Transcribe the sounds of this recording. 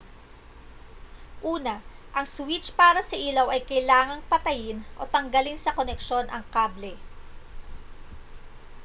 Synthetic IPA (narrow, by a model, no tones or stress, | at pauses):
ʔuːnɐʔɐŋswɪt͡ʃpaːɾɐsɐʔiːlɐwɐjkɐjlaːŋɐŋpɐt̪ɐjɪnʔo̞̰t̪ɐŋɡɐlɪnsɐkonɛkʃo̞nʔɐŋkaːblɛ